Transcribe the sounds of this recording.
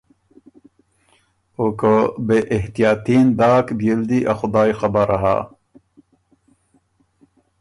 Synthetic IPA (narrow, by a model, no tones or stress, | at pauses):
okobeʔɪht̪ijaːt̪iːnd̪aːkbijeld̪iʔaxʊd̪aːjxɐbaɾaɦa̰ː